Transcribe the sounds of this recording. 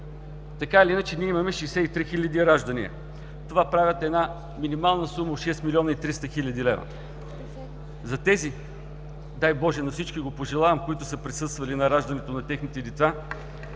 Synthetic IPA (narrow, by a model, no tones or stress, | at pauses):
t̪ɐkaliinət͡ʃɛniɛimɐmɛʃɛjsɛit̪ɾixilʲəd̪iɾaʒd̪ɐnḭə̰ | t̪ovapɾavʲət̪ɛd̪na | minimalˠnəsumɐoʃɛst̪milʲiɔnɐit̪ɾist̪ɐxilʲɐd̪ilɛvɐ̰ | zɐt̪ɛzi | d̪ajbɔʒɛnɐfsit͡ʃkiɡopoʒɛlˠavɐmkoit̪ʊsɐpɾɛsɤst̪vɐlinɐɾaʒd̪ɐnɛt̪onɐt̪ɛxnit̪ɛd̪ɛt̪sa